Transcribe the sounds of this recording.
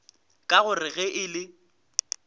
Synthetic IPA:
kʼaɣʊrɪɣɛʔɪlɪ

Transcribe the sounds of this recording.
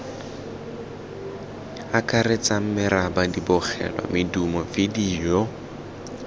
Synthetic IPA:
akʼarɪt͡sʼam̩mɪrabadibɔχɛ̰lwa̰mɪdumɔfɪdiːjɔ

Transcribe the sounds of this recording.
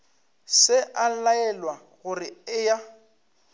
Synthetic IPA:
sɪʔalaɛlwa | ɣʊrɪɪja

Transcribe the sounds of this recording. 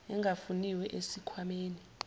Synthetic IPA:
ɛŋɡʱafuniwɛʔesikʰwameːni

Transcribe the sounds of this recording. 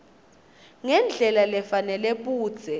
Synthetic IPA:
ŋɛnd͡ɮʱɛlalɛfanɛlɛɓuːd̥z̥ʰʱɛ

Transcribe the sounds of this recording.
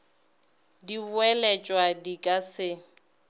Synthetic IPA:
diɛlɛt͡ʃʼwadikʼasɪ

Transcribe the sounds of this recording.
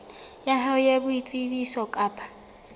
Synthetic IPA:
jaɦaʊjabʊit͡sʼibisɔkʼaːpʰʼḁ

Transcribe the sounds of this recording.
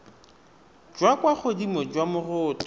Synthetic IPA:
d͡ʒwakwaχodimɔd͡ʒwamʊrʊːtʼɔ

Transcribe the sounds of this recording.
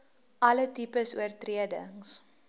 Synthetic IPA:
ʔɐlətipəsuərtriədəŋs

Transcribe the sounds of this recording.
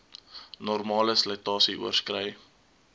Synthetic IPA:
nɔrmɑːləslətɑːsiʔṵərskrɛj

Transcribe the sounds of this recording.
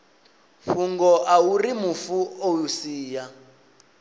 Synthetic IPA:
ɸuŋɡɔʔaurimufuowusiːja

